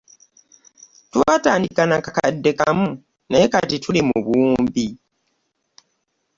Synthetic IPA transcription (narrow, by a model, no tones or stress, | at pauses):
twataːndikanakakadːe̞kamu | ne̞ːkatitʰulimuβuːmbi